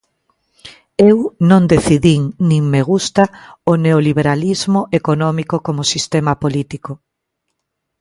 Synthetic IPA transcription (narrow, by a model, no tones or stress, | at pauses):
ewnõŋd̪eθiðiŋnĩŋmeɣ̞ust̪aoneoliβeɾalizmoʔekonɔmikokomosist̪emapolit̪iko